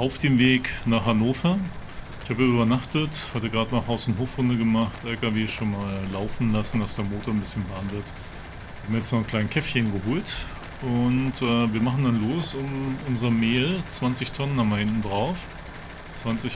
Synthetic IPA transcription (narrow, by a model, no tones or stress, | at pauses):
ʔaʊfd̥eːmveːknaːχhanoːfɐ | ɪçhaːbəʔyːbɐnaχtəthatəɡʁaːtnaːχhaʊsn̩ɦoːfʁ̥ʊndəɡəmaχtʔɛlkaveːʃoːnmaːlːaʊfn̩lasn̩d̥asd̥eːɐmoːtoɐnbɪsçənvaandət | haːbm̩ɐjɛt͡stnɔχn̩kʰl̥aɪn̩kʰɛfçənɡəhoːlt | ʔʊntʔɛːviːɐmaχn̩danloːsʊmʔʊnzɐmeːlt͡sv̥ant͡sɪçtʰɔnənːamaɐhɪntn̩dʁaʊf | t͡sv̥ant͡sɪç